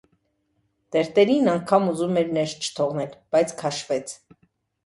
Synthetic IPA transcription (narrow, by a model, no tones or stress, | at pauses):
d̪̥ɛɾt̪ɛɾinɑŋkʰɑmuzumɛɾnɛɾt͡ʃʰə̥t̪ʰɔʁnɛlb̥ɑjt͡sʰkʰɑʃvɛt͡sʰ